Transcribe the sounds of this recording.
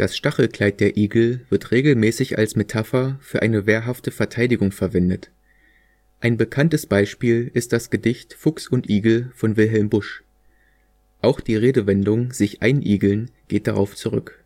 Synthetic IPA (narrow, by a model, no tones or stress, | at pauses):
d̥asʃtaχl̩kl̥aɪt̚d̥eːɐʔiːɡl̩v̥ɪɐtʁeːɡl̩mɛːsɪça̰lsmetʰafɐfyːɐʔa̰ɪnəveːɐɦaftəfɛɐtʰaɪdɪɡʊŋfɛɐvɛndət | ʔaɪnbəkʰantəsb̥aɪʃpiːlɪst̚d̥asɡ̥ədɪçtfʊksʊntʔiːɡl̩fɔnvɪlɦɛlmbʊʃ | ʔaʊxd̥iːʁeːdəvɛndʊŋz̥ɪçʔaɪnʔiːɡl̩nɡ̥eːt̚d̥aʁaʊft͡suʁʏ̰k